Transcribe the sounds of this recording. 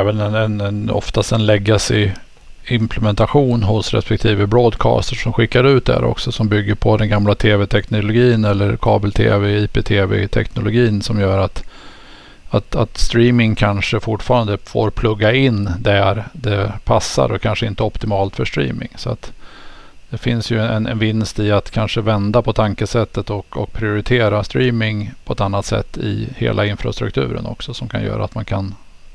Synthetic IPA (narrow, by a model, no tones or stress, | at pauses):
ɛvənɛnɛnɛnɔ̰ft̪ast̪ɛnlɛɡːasɪ | ɪmpʰlɛmɛnt̪aɧuːnɦʊsɾɛ̰spɛk̚t̪ʰiːvəbɾoːd̪kʰɑ̰ːst̪əʂɔmɧɪkːaɾʉ̟ːt̪̚d̪æ̰ɾʔɔ̰ksɔsɔmbʏɡːəɾpʰɔd̪ɛnɡamlat̪ʰeːvɛt̪ʰɛknʊlʊɡiːnɛlːəɾkʰɑ̰ːbəlt̪ʰḛːvɛiːpet̪ʰeːvɛ̰t̪ʰɛ̰knʊlʊɡiːnsɔmjœːɾat̪ | at̪at̪st̪ɾiːmɪŋkʰanʂəfʊʈːfɑːɾand̪əfo̰ːɾpʰlɵɡːaɪnd̪æɾd̪ɛpʰasːa̰ɾɔkʰanʂəɪnt̪əɔpt̪ɪmɑːlt̪fœʂt̪ɾḭːmɪ̰ŋsɔa̰t̪ | d̪̥ɛfɪnsjɵɛɛnʔɛnvɪnst̪ɪat̪kʰanʂəvɛnd̪apʰɔt̪ʰaŋkəsɛt̪ːət̪ɔkɔk̚pʰɾɪʊɾɪt̪ʰeːɾast̪ɾiːmɪŋpʰɔɛt̪anːat̪sɛ̰t̪ːɪ̰hḛːlʔaɪnfɾa̰st̪ɾɵ̰k̚t̪ʰʉ̟ːɾə̰nɔ̰ksɔsɔmkʰa̰njœ̰ːɾa̰t̪mankʰan